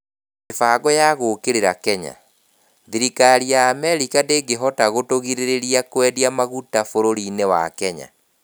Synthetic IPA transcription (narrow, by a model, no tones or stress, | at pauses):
efaːɡɔjaɣoːkeɾeɾakɛɲa̰ | ðiɾikaɾiaːmɛɾikadeːɡeɦɔtaɣotoɣiɾeɾeɾiakwɛdiamaɣutafoɾoɾinewa̰kɛɲa̰